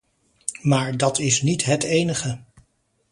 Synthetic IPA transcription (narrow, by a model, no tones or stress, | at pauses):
maːɹdɑtʰɪsnitɦətejnəχə